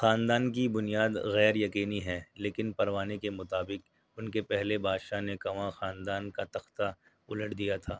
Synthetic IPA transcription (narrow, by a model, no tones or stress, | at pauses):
xaːnd̪aːnkibʊnijaːd̪ɣɛːɾjɐqiːniɦɛːleːkɪnpɐɾʋaːnekemʊt̪aːbɪq | ʊnkepɛɦlebʱaːd̪ʃanekɐʋãxaːnd̪aːnkat̪ɐxt̪a | ʊləʈd̪ijat̪ʰaː